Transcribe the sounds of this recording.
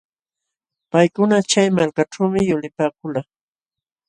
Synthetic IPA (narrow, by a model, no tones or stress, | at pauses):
pajkʊnat͡ʃajmalkaʈ͡ʂawmɪjʊlɪpaːkʊlaː